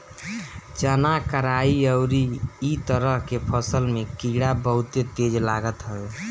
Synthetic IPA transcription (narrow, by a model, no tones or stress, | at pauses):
t͡ʃənakəɾaiəʊɾiːt̪əɾəɦkepʰəsəlmekiɽabəɦut̪et̪ed͡ʒlaɡət̪ɦəl